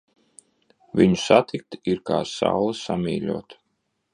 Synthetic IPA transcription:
viɲu̥sat̪ik̚t̪iɾkaːsa̰wlˠɨsamiːlʲuɔt̪

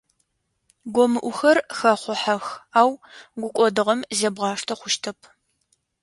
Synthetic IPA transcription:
ɡʷɔmɨʔʷʊxɐrxɐχʷʊħaxaːwɡʷʊkʷʼɔdɨʁɐmzɐbʁɑːʂtʰɐχʷʊʃtʰɐpʰ

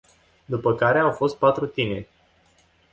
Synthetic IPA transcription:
d̪upəkaɾe̞awfo̞st̪̚pat̪ɾut̪ine̞rʲ

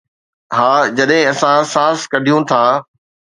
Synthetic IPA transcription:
ɦaːd͡ʑɐɗɦɪ̃ɐsãsaːskɐɖʱijũt̪ʰaː

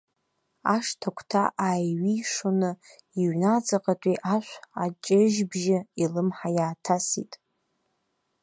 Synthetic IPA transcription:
aʂtʰakʷʰtʰa̰ʔajɥiʂonɨ | iɥnad͡zaqʼatʷʼiʔaʃʷat͡ʃʼɪʒbʒɪilɨmħajaːtʰasḭtʼ

